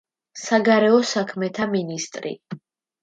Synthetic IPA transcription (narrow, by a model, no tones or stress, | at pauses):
saɡaɾɛɔsakʰmɛt̪ʰaminist̪ʼɾḭ